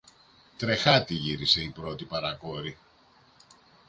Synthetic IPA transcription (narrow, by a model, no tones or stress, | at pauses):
t̪ɾe̞xɐt̪iʝiɾise̞ipɾo̞t̪ipɐɾɐko̞ɾi